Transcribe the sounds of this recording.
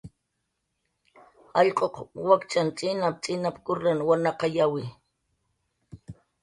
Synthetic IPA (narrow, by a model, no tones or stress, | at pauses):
ɑʎqʼoqwakt͡ʃant͡sʼɪnap̚t͡sʼɪnapkʊɾanwanɑqɑjawɪ